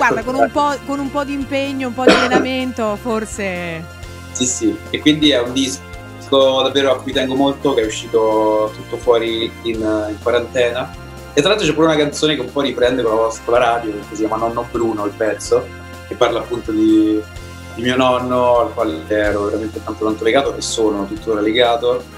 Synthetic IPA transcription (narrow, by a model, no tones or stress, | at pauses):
ɡward̪akonumpɔkonumpɔd̪impeɲːoumpɔd̪ialːenament̪oforse | sisiekːwind̪iɛund̪is | kod̪avːeːɾoakːujt̪ɛŋɡomolt̪okeɛuʃːiːt̪ot̪ut̪ːofwɔːɾiːniŋkwaɾant̪ɛːna | et̪ːɾaalt̪ɾot͡ʃɛpːuɾeunakant̪soːnekeumpɔɾipɾɛnd̪ekolavɔsḁkolaɾaːd̪jot̪os̬ːikʲjaːmanɔnːobɾuːnoilpɛt̪sːo | kepːarlaːpːunt̪od̪i | d̪imiːonɔnːoalkwaːlet͡ʃɛɾoveɾament̪et̪ant̪ok̪ant̪oleɡaːt̪oʔḛsoːnot̪ut̪ːoɾaleɡaːt̪o